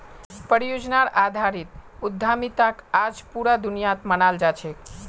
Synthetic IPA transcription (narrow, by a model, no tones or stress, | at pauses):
pəɾijod͡ʒnaɾad̪ʱaɾit̪̚ud̪ʱːamit̪akad͡ʒpuɾad̪unijat̪mənald͡ʒat͡ʃʰɛk